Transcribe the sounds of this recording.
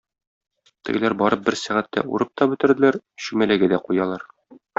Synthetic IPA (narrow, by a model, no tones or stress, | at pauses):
t̪ɤ̰̆ɡ̆læɾbɒɾɤp̚bɘɾsæʁæt̪ːæ̰ʔṵɾɤp̚t̪ɒbɵ̆t̪ɘ̆ɾd̪ɘ̆læɾɕʉmælæɡɘd̪æqujɑlˠɑɾ